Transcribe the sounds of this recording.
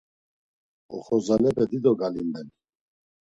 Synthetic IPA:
ɔ̰χɔzalɛpɛd̪id̪ɔɡalind̪ɛn

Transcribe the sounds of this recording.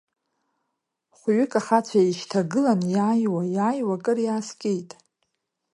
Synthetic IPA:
χʷɥʏkʼaχat͡ɕʷʰajeʃtʰaɡɨlanjaːjwajaːjwakʼɨrjaːskʲʼejtʼ

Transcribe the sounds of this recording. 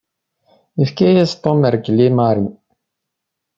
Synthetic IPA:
ifkæjæst̪ˤoməɾɡlimaɾi

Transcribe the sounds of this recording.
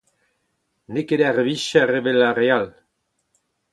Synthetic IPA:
nekeɾearβiʃaereβelareal

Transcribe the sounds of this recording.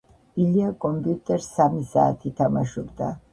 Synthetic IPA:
iliakʼɔmpʼiut̪ʼɛɾsːamisaːt̪ʰit̪ʰamaʃɔbd̪a

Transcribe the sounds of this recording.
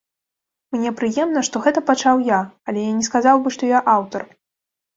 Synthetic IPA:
mnʲɛpɾɨjɛmn̪ɐʂt̪ɔɣɛt̪ɐpat͡ʂawjaalʲɛjanʲɛskazawbɨʂt̪ɔjaʔawt̪ɐr

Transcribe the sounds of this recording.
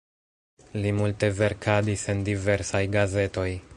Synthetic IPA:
limulte̞ve̞ɾkadise̞ndive̞ɾsajɡaze̞to̞j

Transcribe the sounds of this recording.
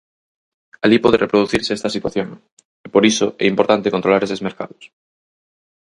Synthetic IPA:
alipɔð̞erepɾoðuθiɾseɛst̪asit̪waθjoŋ | epoɾisoɛ̰impoɾt̪ant̪ekonɾolaɾesezmeɾka̰ðos

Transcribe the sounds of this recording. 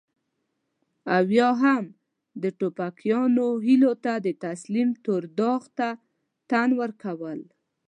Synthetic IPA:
awjɑɦam | d̪əʈopakjɑnoɦilot̪ad̪ət̪aslimt̪oɾd̪ɑɣt̪a | t̪anwəɾkawəl

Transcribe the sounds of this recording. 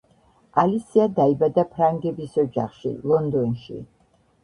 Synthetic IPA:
alisiad̪aibad̪apʰɾaŋɡɛbisɔd͡ʒa̰χʃḭlˠɔnd̪ɔnʃḭ

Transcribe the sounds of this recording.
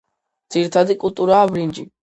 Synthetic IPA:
d̪z̥iɾit̪ʰad̪ikʼulˠt̪ʼuɾaːbɾind͡ʒi

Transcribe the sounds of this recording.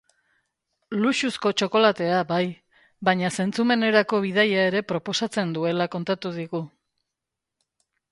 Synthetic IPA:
luʃusko̞t͡ʃo̞ko̞lat̪e̞abaj | βaɲase̞nt͡sume̞ne̞ɾako̞βiðajae̞ɾe̞pɾo̞po̞sat͡se̞nd̪ue̞lako̞nt̪at̪uðiɣu

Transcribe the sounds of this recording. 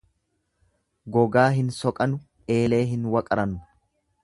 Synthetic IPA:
ɡɔɡaːɦɪnsɔkʼɐnʊ | e̞ːle̞ːɦɪnwɐkʼɐɾɐnːʊ

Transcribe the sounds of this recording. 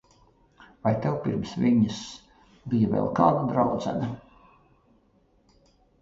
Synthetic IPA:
vajt̪ɛwpiɾmsviɲɨs | bijavʲɛ̰lˠkaːd̪ad̪ɾawd̪zæ̰na

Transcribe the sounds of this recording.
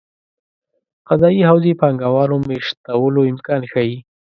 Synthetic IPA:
qazɑjihawzepɑŋɡawɑnomeʃt̪awəloɪmkɑnxaji

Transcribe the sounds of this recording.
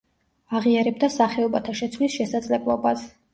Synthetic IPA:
aʁiaɾɛb̚d̪asaχɛɔbat̪ʰaʃɛt̪sʰwlisʃɛsad̪z̥ʼlɛblˠɔbas

